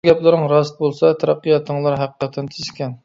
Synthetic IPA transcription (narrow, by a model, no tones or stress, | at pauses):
ɡʲɛplˠɨɾəŋɾɑst̪̚bolˠsɑt̪ʰɑɾɑqːijɑt̪ʰəŋlˠɑɾɦæqəqʰɛt̪ʰːɛnt̪ʰɪzʃkʲɛn